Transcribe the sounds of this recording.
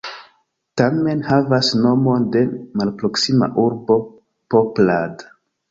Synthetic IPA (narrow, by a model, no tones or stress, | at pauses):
tame̞nhavasno̞mo̞nde̞malpɾo̞ksima̰ʔuɾbo̞ | poplad